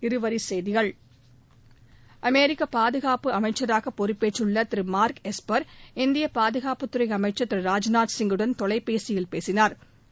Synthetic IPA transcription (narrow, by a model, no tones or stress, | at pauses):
ɪɾɯʋɐɾisɛjðɪɣɐɭ | ʔɐmeːɾɪkːɐpaːðɯɣaːpɯɐmɐɪt͡ʃːɐɾaːɣɐpːɔɾɪpːeːʈːɯɭːɐt̪ɪɾɯmaːɾkɛspɐɾɪnd̪ɪjɐpaːðɯɣaːpɯt̪ːɯɾɐɪɐmɐɪt͡ʃːɐt̪ːɪɾɯɾaːd͡ʒnaːʈsɪŋɡɯɽɐnt̪ɔɭɐɪpːeːsɪjɪlpeːsɪnaːɾ